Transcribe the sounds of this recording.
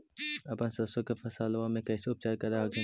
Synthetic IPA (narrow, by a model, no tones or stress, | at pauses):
ɐpɐnsɐsokefɐsaːlʋamẽkɛːseʊp̚t͡ʃaːɾkɐɾaɡe